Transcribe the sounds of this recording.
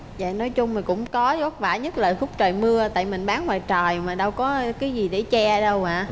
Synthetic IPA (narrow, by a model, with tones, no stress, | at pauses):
za̰ː˧˨nɔ˨˦jt͡ɕʊ˧ŋ͡mma˨˩kʊ̰˧˥ŋ͡mkɔ˨˦zɔ˨˦˥t̚vaː˧˩ɲə˦˥t̚ləː˨˩jfʊ˦˥k͡p̚t͡ɕəː˨˩jmɨ˧ət̪a̰ː˧˨jmï˨˩ŋ̟ɓaː˨˦nwaː˨jt͡ɕəː˨˩jmaː˨˩ɗə˧wkɔ˨˦kaː˨˦jzi˨˩ɗḛ˧˩t͡ɕɛ˧ɗə˧waː˧˩